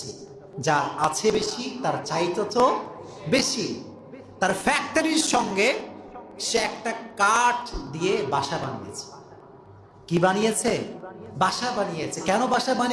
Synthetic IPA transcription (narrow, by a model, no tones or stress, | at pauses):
i | d͡ʑaɾat͡ɕʰebeʃit̪aɾt͡ɕajt̪oto | beʃi | t̪aɾfɛk̚ʈaɾiɾʃɔŋɡe | ʃeɛk̚ʈakaʈd̪ijebaʃabanḭjḛt͡ɕʰe̥ | kibanijet͡ɕʰebaʃabanijet͡ɕʰekɛnobaʃabani